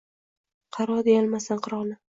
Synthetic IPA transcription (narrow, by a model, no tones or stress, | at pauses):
qʰɑɾɒd̪ejalˠmasanqʰɨɾɒnɪ